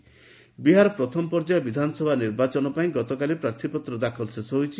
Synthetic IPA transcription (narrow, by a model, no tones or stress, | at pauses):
biɦaɾɔpɾɔt̪ʰɔmɔpɔɾd͡ʒajɔbid̪ʱanɔsɔbʱaniɾbat͡ʃɔnɔpaĩɡɔt̪ɔkalipɾaɾt̪ʰipɔt̪ɾɔd̪akʰɔlsesɔɦojt͡ʃʰi